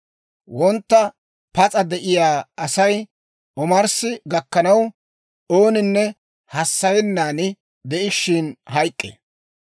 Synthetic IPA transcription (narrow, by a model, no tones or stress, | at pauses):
wɔnt̪ːɐ | pɐt͡sʼɐd̪ɛʔɪjaːɐsɐj | ɔmɐɾsɪɡɐkːɐnɐw | o̞ːnɪnːɛ | hɐsːɐjɛnːaːnɪ | d̪ɛʔɪʃːɪnɦɐjkʼːḛ